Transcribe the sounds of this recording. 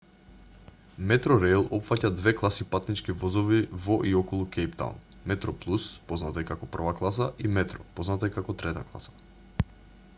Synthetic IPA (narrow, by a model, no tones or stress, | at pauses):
mɛt̪ɾɔɾejlˠɔpfacad̪vɛklˠasipat̪nit͡ʃkivɔzɔvivɔʔiɔkɔlˠukɛjpt̪a̰n | mɛt̪ɾɔplˠuspɔznat̪aɛkakɔpr̩vaklˠasaʔimɛt̪ɾɔpɔznat̪aɛkakɔt̪ɾɛt̪aklˠa̰sḁ